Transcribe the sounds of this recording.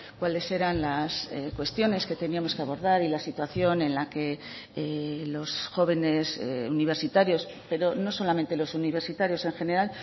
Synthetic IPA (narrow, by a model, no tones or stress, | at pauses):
kwale̞se̞ɾanlasekwe̞st̪jo̞ne̞ske̞t̪e̞niamo̞skeaβo̞ɾðaɾilasit̪waθjo̞nẽ̞nlake̞ | lo̞sxo̞β̞e̞ne̞sḛuniβ̞e̞ɾsit̪aɾjo̞s | pe̞ɾo̞no̞so̞lament̪e̞lo̞suniβe̞ɾsit̪aɾjo̞se̞ŋxe̞ne̞ɾal